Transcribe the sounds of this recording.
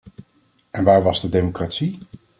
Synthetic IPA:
ʔɛnʋaːɹʋɑzdədejmokraːtsi

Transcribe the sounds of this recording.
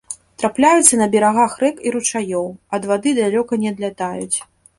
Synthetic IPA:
t̪ɾaplʲajut̪sːɐnɐbʲɛɾaɣaxrɛkiɾut͡ʂajɔwɐd̪vad̪ɨd̪alʲɔkɐnʲɛd̪lʲat̪ajṵt͡sʲ

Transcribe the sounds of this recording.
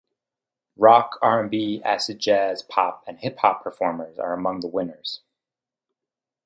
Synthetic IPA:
ɹɑkʰɑɹɨ̃mbiæsɨ̥d͡ʒæz̥pʰɑ̰p̚ɨ̃nhɪphɑpʰə˞fɔɹmə˞zə̰˞əmʌ̃ŋðəwɪ̃nə˞z̥

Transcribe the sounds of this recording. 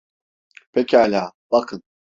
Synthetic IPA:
pʰekcʰialʲaːbakʰɯn

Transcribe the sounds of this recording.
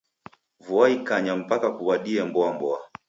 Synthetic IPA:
vuaikaɲam̩pakakuwaɗiɛmbɔambɔa

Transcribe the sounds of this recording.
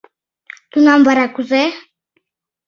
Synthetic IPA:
t̪unambaɾakuzɛ

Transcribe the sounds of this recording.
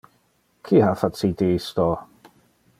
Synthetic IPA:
kʰiːhafatʰidiɪstɔ

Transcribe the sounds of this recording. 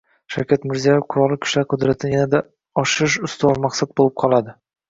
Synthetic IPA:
ʃa̰wkʲat̪mɪɾzijajefqʰʊɾɒlˠɪkʲʰʊ̥ʃlaɾqʰʊd̪ɾat̪ʰɪnjanad̪a | ɒʃɪɾɪʃʊst̪ɒlmaqsat̪̚bolˠɪp̚qʰɒlˠad̪ɪ

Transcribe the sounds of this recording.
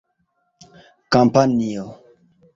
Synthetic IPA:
kampʰanio

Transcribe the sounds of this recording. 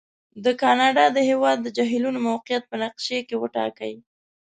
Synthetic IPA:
d̪əkɑnɑɖɑd̪əhewɑd̪ːəd͡ʒɑɦilunomawqɪjat̪̚pənaqʃekewəʈɑ̰ka̰j

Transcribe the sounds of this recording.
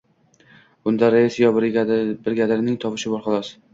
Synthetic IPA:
ʊnd̪aɾesjɒbɾbɪɾɡʲad̪ɪɾnɪŋt̪ʰɒpɪʃɪbɒɾχʊlˠɒs

